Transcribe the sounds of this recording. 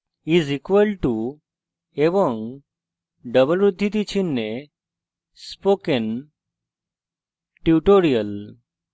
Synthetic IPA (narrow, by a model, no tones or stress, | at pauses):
izikʋəlʈu | eʋɔ̃ŋ | ɖəbəlʋɾud̪ʱːit̪̬it͡ɕʰinːe | spoken | ʈjuʈoɾiəl